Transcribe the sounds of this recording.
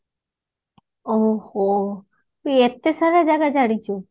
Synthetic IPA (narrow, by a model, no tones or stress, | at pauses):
oho | iet̪ːesaɾad͡ʒaɡad͡ʒaɽit͡ʃʰo